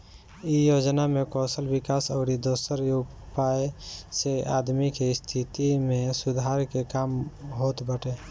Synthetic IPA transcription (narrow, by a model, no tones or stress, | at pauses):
ijoːd͡ʒnamẽkɔːsəlbɪkaːsɔːɾid̪oːsəɾjoɡ | paeseaːd̪mikest̪ʰit̪imẽsʊd̪ʱaːɾkekaːmɦoːt̪bəʈeː